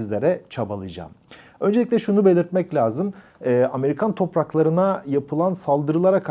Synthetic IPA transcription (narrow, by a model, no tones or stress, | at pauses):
izlʲeɾɛt͡ʃʰabalˠɯd͡ʒa̰ːm | ø̞nd͡ʒeic̬ʲlʲɛʃunube̞lʲiɾt̪mɛclʲaːzɯm | ɛːame̞ɾikʰant̪ʰo̞pɾaklˠaɾɯnajapʰɯlˠansalˠd̪ɯɾɯlˠaɾakʰ